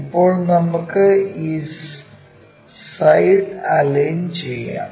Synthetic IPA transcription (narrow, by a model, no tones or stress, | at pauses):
ipːo̞ːɭnɐmukːɨiː | sɐjɽɐlejnt͡ɕejːa̰ː